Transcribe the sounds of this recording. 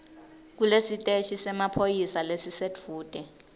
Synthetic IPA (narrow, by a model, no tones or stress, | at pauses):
k̬ulesitʼeʃisɛmapʰojisalesisetfuːd̥ʱɛ